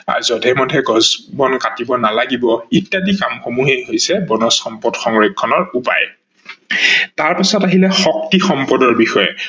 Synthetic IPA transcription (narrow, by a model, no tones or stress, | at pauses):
a̰zɔdʱɛmɔdʱɛɡɔzbɔnkatibɔnalaɡibɔitːadikamxomuɦejɦojsɛbɔnɔsxɔmpɔdxɔŋɹekʰːɔnɔɹupa̰j | taɹpasɔtaɦilɛxɔktixɔmpɔdɔɹbixɔjɛ̰